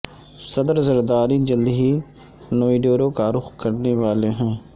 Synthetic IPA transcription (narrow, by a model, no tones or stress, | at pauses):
sɐd̪əɾzəɾd̪aːɾid͡ʒəld̪ɦi | noːiɖoːɾokaːɾʊxkɐɾneʋaːleɦɛ̃ː